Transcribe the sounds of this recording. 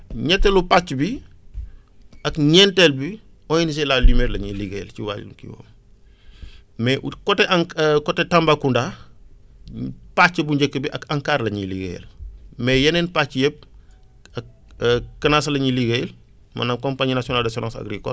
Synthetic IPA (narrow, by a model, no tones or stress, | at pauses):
ɲɛtːɛlupat͡ʃːbi | ɐkɲɛntɛlbi | ɔjinis̬ɛlalimɛːtlɐɲiliɡejlciwa̰ːl̰lukḭwɔ̰ːm | mɛkɔtɛʔɐŋkɔtɛtɐmbakundaː | pat͡ʃːɐbuɲɟekːəbiʔɐkɐŋkaːɾlɐɲiliɡḛj̰lmɛjɐnɛnpat͡ʃːjɛp̚ | ɐk̚ː | kɐnaːs̬ɐlɐɲiliɡejl | mɐ̰nɐmkɔmpaɲnasjɔnaːldɐs̬ɔnãnsɐ̰ɡɾikɔ̰